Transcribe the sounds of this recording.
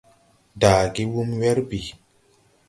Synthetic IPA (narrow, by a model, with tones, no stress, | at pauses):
daː˨ɡi˦wu˦mwɛ˦ɾbi˨